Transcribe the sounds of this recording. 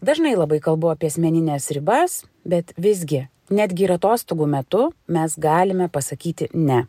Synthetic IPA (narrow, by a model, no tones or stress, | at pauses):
d̪ɐʒnɐɪlˠɐbɐɪkɐlˠbʊɐpʲiɛɐsʲmʲɛnʲɪnʲɛːsɾʲɪbɐs | bʲɛt̪ʋʲɪz̬ʲɡʲɪ | nʲæːd̪ʲɡʲɪɪɾɐt̪oːst̪oːɡuːmʲɛt̪ʊmʲɛsɡɑːlʲɪmʲɛpɐsɐkʲiːt̪ʲɪnʲɛ